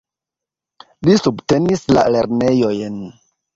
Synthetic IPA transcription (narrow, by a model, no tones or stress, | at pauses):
lisubtenisla̰le̞ɾne̞jojn